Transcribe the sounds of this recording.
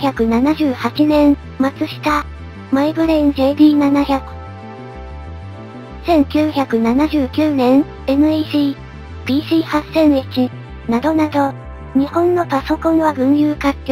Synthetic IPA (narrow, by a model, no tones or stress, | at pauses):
çʲakɯ̟nanaʑɨːhat͡ɕinẽ̞ɴ | mat͡sɨɕi̥t̪a | maibɯ̟ɾeĩŋd͡ʑe̞ːd̪ʲiːnanaçakɯ̟̥ | sẽ̞ŋkʲɨːçakɯ̟nanaʑɨːkʲɯːnẽ̞ɴ | e̞nɯ̟iɕiː | b̥ʲiːɕiːhasːẽ̞ɰit͡ɕi | nad̪o̞nad̪o̞ | ɲ̟ihõ̞nːo̞paso̞kõ̞ɴ̃βaɡɯ̟̃ɰ̃jɯːkak̪ʲː